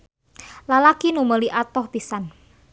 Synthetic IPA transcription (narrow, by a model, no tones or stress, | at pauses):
lalakinuməliʔat̪ɔhpisan